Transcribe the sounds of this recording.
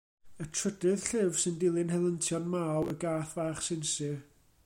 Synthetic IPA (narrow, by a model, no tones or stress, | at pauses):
ətʰr̥ədɨð̥ɬɪvsɨndɪlˠɨnhɛlˠəntʰjɔnmawəɡaːθvaːχsɪnsɨ